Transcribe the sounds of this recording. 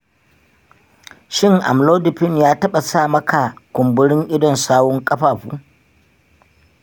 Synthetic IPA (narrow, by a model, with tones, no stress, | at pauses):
ʃɪ˦ŋʔa̰˨mloː˦dɪ˨ɸɪ˦njaː˦tɐ˦ɓa˨saː˦˨mɐ˦ka˨kʷʊ˨mbʊ˦ɽɪ˦ŋʔɪ˦dɔ˨nsaː˦wɔ˦ŋkʼɐ˦ɸaː˨ɸṵː˦